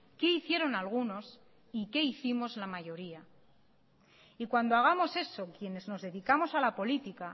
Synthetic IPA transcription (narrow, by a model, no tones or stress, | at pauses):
ke̞iθje̞ɾo̞nalɣ̞uno̞s | ike̞iθimo̞zlamaʝo̞ɾia | ikwand̪oaɣ̞amo̞se̞so̞kje̞ne̞zno̞zðe̞ðikamo̞salapo̞lit̪ika